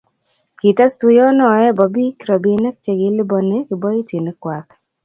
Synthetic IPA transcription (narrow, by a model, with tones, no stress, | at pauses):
ki˨ta˦stu˦jɔ˦nɔ˨ɛ˦bɔ˨bi˦kɾɔ˨be˦nɛ˦k̚t͡ʃe˨ɡɪ˨˦lɪ˦bɔ˨ne˦kɪ˨bɔ˦i˦ti˨ne˦kwa˨k